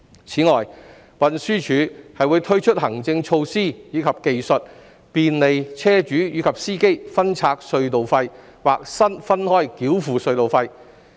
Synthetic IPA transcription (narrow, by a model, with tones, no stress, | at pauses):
t͡sʰiː˨˥ŋɔː˨j | wɐ˨nsyː˥t͡ʃʰyː˨˥hɐ˨jwuː˨˧jt̪ʰɵ˥ɥt͡ʃʰɵ˥t̚hɐ˨˩ŋt͡sɪ˧ŋt͡ʃʰo˧wsiː˥jiː˨˧kʰɐ˨p̚ke˨jsɵ˨t̚ | piː˨nle˨jt͡sʰɛː˥t͡ʃyː˨˥jiː˨˧kʰɐ˨p̚siː˥ke˥jfɐ˥nt͡sʰaː˧k̚sɵ˧ɥt̪o˨wfɐ˧j | wa̰ː˨k̚sɐ˥nfɐ˥nhɔː˥jkiː˨˥wfuː˨˩sɵ˧ɥt̪o˨wfɐ˧j